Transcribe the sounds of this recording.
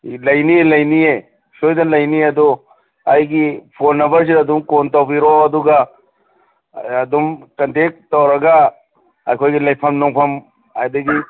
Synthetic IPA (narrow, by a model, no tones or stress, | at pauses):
lɐjnielɐjnie | sojdɐlɐjniɐdu | ajɡipʰonːɐbɐɾs̬idɐdumkontawbiɾoɐduɡɐ | ɐdumkɐntek̚tɐwɾɐɡɐ | ɐjkʰojɡilɐjpʰɐmnɔŋpʰɐm | hajdɐɡi